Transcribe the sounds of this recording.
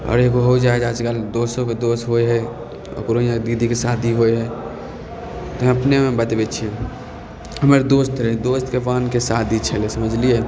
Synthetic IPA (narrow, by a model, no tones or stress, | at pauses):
ɔ̰ːɾeɡoɦoid͡ʒaed͡ʒaːd͡ʒkəld̪osõked̪ost̪ɦojɦɛ | ɔ̰koɾoijãkd̪id̪ʱikesad̪ʱiɦojɦɛ | t̪ɔɦməpnemẽbət̪bet͡ʃʰie | ɦəməɾd̪ost̪ɾəɦid̪ost̪keʋankesad̪ʱit͡ʃʰəlesəməd͡ʒʱlije